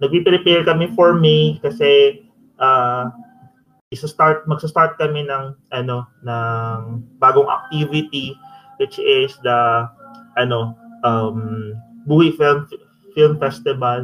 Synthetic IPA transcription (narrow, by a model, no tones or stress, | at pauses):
nɐɡ̚pipɾɪpɛɹkɐmɛfoɹmikɐsɛ | ʔa | ʔɪsɐst̪aɹt̪̚mɐɡ̚sɐst̪aɹt̪̚kɐmɛnɐŋʔɐno̞nɐŋbaːɡoŋʔɐ̰k̚t̪ivɪt̪iwɪt͡ʃɪsd̪ɐ | ʔɐno̞ʔɐmbuːhifɪlm | fɪlmfɛst̪ɪvɐl